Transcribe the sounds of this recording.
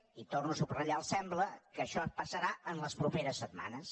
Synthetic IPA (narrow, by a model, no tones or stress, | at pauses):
it̪ornusubrəʎalˠsɛmbləkəʃɔpəsəɾaənləspɾupeɾəsːət̪ma̰nəs